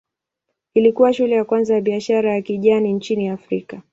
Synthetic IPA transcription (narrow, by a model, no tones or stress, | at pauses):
ilikuwaʃulɛjakwanzajaɓiaʃaɾajakiʄanint͡ʃiniafɾika